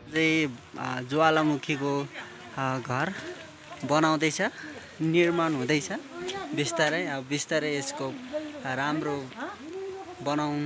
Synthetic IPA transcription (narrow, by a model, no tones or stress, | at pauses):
d͡zʌj | d͡zoalamukʰiko | ɡʱʌr | bʌnaw̃d̪ʌjt͡sʰʌ | nirmanɦũd̪ʌjt͡sʰʌbist̪aɾʌjʌbʌbist̪aɾʌjeskoramro | bʌnawn